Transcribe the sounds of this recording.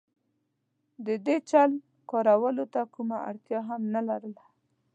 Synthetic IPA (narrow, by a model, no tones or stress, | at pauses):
d̪əd̪et͡ʃalm | kɑɾawəlot̪akumaa̰ɽt̪jɑɦamnalaɾəla